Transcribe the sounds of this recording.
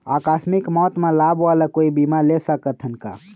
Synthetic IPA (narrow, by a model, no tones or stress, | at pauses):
akasmikmɔt̪mẽlabwaləkoibimalesəkət̪ʰənka̰